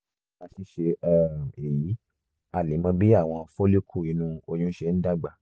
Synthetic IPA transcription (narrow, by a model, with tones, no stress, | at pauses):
a˧ʃi˧˦ʃe˧ɛ˦˨e˨ji˨˦ | a˨le˨˦mã˧bi˦a˦˨w̃ɔ̃˧fo˦le˦kʰu˦˨i˧nũ˧o˧j̃ũ˦ʃe˧n̩˦da˦˨ɡ͡ba˨